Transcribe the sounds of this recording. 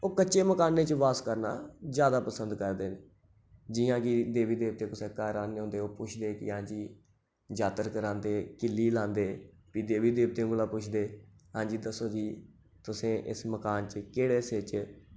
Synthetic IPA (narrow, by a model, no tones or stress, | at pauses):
oːkətːt͡ʃeːməkaːnːeːt͡ʃəʋaːskəɾna̰ːzjaːd̪aːpəsənd̪kəɾd̪eːneː | d͡ʒɪãːkɪd̪eːʋiːd̪eːʋt̪eːkʊseːkaːɾaːneːɦʊ̃nd̪eːoːpʊt͡ʃʰd̪eːkɪ̰ãːd͡ʒiː | d͡ʒaːt̪əɾkəɾãːnd̪eːkɪlːiːlãːnd̪eː | piːd̪eːʋiːd̪eːbt̪ẽːɡəlaːpʊt͡ʃʰd̪eːɦãːd͡ʒiːd̪əsoːd͡ʒiː | t̪ʊsẽːʔɪ̰sməkaːnt͡ʃəkeːɽeːset͡ʃ